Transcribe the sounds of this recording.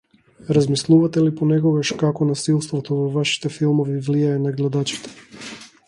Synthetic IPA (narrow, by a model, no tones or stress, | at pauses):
ɾazmislˠuvat̪ɛliponɛkɔɡaʃkakɔnasilˠst̪vɔt̪ovɔvaʃi̥t̪ɛfilˠmɔvivlijaɛnaɡlɛd̪at͡ʃi̥t̪ɛ̥